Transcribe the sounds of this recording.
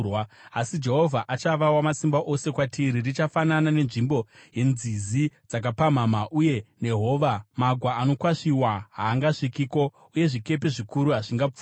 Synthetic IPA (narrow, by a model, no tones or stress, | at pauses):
waasid͡ʒe̞ɦo̞vʱaʔat͡ʃaʋawamasimbaʔo̞se̞kwatʰiɾirit͡ʃafananane̞nʐimbo̞je̞nzizid͡zak̬apam̤amaʔuje̞ne̞ɦo̞ʋamaɡʱwaːno̞kwaʂiwaɦaːŋɡaʂikiːko̞ | uje̞ʐike̞pe̞ʐikuɾuɦaʐiŋɡap͡fu